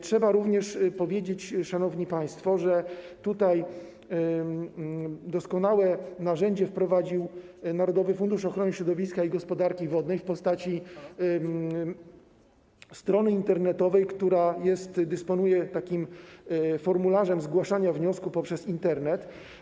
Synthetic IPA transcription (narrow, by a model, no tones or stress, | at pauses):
tʂɛbaɾuvɲɛʂpɔvʲjed͡ʑet͡ɕʂanɔvɲipaj̃st̪fɔʐɛt̪ut̪aj | d̪ɔskɔnawɛnaʐɛɲd͡ʑɛfpɾɔvad͡ʑiw | naɾɔd̪ɔvɘfund̪uʂɔxɾɔnɘɕɾɔd̪ɔvʲiskaiɡɔspɔd̪aɾkʲivɔd̪nɛjfpɔst̪at͡ɕi | st̪ɾɔnɘint̪ɛɾnɛt̪ɔvɛjkt̪uɾajɛst̪d̪ɘspɔnujɛt̪akʲim | fɔɾmulaʐɛmzɡwaʂaɲavɲɔskupɔpʂɛzint̪ɛɾnɛt̪